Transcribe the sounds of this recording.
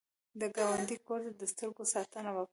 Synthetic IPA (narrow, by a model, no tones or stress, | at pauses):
d̪əɡawand̪ikoɾd̪ad̪əst̪əɾɡosɑt̪ənawak